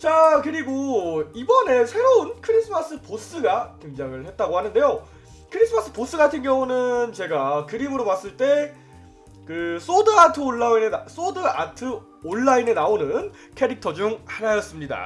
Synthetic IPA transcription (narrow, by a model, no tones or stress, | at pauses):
t͡ɕakɯɾiɡoibʌne̞sʰe̞ɾounkʰɯɾis͈ʰɯmas͈ʰɯpos͈ɯɡakeŋd͡ʑaŋɯɭhe̞t̚t͈aɡohanɯnde̞jo | kʰɯɾis͈ʰɯmas͈ʰɯ̥pos͈ʰɯɡatʰɯnɡjʌŋunɯnt͡ɕe̞ɡakɯɾimɯɾomas͈ɯɭt͈e̞ | kɯs͈odɯatʰɯoɭːaines͈odɯa̰tʰɯ | oɭːaine̞naonɯn | kʰe̞ɾik̚tʰʌd͡ʑuŋhaɾajʌs͈ɯmɲida̰